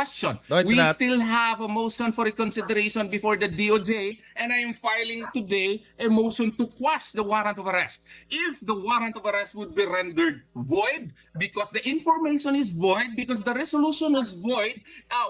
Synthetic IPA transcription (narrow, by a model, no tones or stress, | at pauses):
ɛst͡ʃɔ̃nwist̪ɪlɦævɐmoʃɔ̃nfɔɹikɔ̃nsɪd̪ɛɾeʃɔ̃nbɪfɔɹd̪ɐd̪iod͡ʒeʔɛ̃najɛ̃mfajlɪ̃ŋt̪ʊd̪ej | ʔɛmoʊʃɔ̃nt̪ʊkwaʃd̪ɐwaɾɐ̃nt̪ɔvɐɾɛst̪̚ʔɪfd̪ɐwaɾɐ̃nt̪ɔvɐɾɛst̪̚wʊd̪̚biɾɛ̃nd̪əɹd̪̚vɔjd̪̚ | bɪkɔsd̪ɐʔɪ̃nfɔɹmeɪʃɔ̃nɪsvɔjd̪̚bɪkɔsd̪ɐɾɛsoluʃɔ̃nwɔsvɔjd̪̚